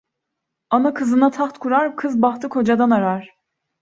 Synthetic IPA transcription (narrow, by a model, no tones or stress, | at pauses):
anakʰɯzɯnat̪ʰaxt̪kʰuɾaɾkʰɯzbaxt̪ʰɯkʰo̞d͡ʒad̪anaɾaɾ̥